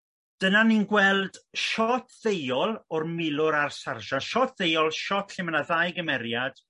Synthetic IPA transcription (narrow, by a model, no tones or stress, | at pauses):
d̥ənaninɡwɛlˠdʃɔtʰð̥ejɔlˠɔrmɪlˠʊɾarsarʒaʃɔtʰðejɔlˠʃɔtʰɬɪmnaðajɡəmɛɾjad̥